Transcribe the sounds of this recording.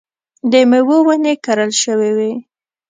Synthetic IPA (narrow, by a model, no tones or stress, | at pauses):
d̪əmewowanekaɾəlʃəwewe